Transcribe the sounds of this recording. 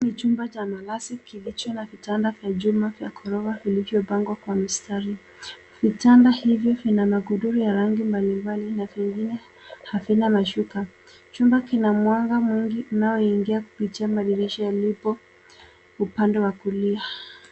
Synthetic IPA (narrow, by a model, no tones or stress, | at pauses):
nit͡ʃumbat͡ʃamalasikilit͡ʃɔnavitandavjad͡ʒumavja̰kʰɔɾɔavilivjɔpaŋɡwakwamistaɾi | v̥itandahivjɔvinamaɡuɗuɾujaɾaŋɡimbalimbalinaviŋɡinɛ | havinamaʃuka | t͡ʃumbakinamwaŋɡamwiŋɡiunaɔiŋɡiaku̥pitiamaɗiɾiʃɔjalipɔ | upandɛwakulia